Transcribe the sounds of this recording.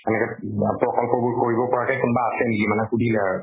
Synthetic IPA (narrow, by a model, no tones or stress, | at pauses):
ɛnɛkɛpɹɔkɔlkɔbukoɹibɔpɔɹakɛjkunbaːsɛnikimanɛxudʱilɛaɹu